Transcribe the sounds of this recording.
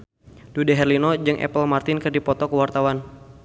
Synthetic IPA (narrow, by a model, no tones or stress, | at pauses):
dudɛɦɛrlinɔd͡ʒɨŋʔɛ̰pəlmart̪ɪnkərdipɔt̪ɔkəwart̪awan